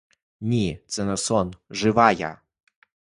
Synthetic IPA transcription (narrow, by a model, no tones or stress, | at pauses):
nʲit̪sɛnɐsɔnʐɨvaja̰